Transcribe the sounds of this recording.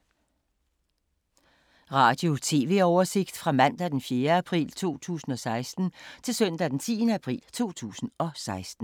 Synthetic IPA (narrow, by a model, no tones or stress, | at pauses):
ʁɑ̈ːd̥jo̝t͡sʰe̝ːʋe̝̰ɒʊɐse̝ɡ̥d̥fʁɑ̈mæn̰d̥æd̥enfjeːɐæpʰʁḭːlt͡sʰo̝̰ːt͡sʰṵːsn̩ɒ̽sɑ̈ɪsd̥n̩t͡sʰe̝lsœn̰d̥æd̥ent͡sʰḭːənəæpʰʁḭːlt͡sʰo̝̰ːt͡sʰṵːsn̩ɒ̽sɑ̈ɪsd̥n̩